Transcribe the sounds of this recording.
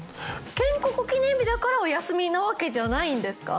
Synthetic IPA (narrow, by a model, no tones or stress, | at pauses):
kẽ̞ŋkokɯ̟kʲinẽ̞mbʲid̪akaɾaojasɨmʲinaβake̞ʑanaĩnd̪e̞sɨ̥ka̰